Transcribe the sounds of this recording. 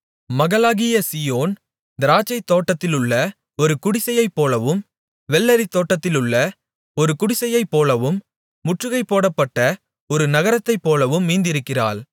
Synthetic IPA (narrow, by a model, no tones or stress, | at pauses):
mɐɣɐlaːɣɪjɐsijoːn | d̪ɪɾaːt͡ʃːɐɪt̪ːoːʈːɐt̪ːɪlɯɭːɐ | ɔɾɯkʊɽɪsɐjɐɪpːoːlɐʋɯm | ʋɛlːɐɾit̪ːoːʈːɐt̪ːɪlɯɭːɐ | ɔɾɯkʊɽɪsɐjɐɪpːoːlɐʋɯmː | ʊʈrɯɣɐɪpːoːɽɐpːɐʈːɐ | ɔɾɯnɐɣɐɾɐt̪ːɐɪpːoːlɐʋɯmːiːnd̪ɪɾɯkːɪra̰ːl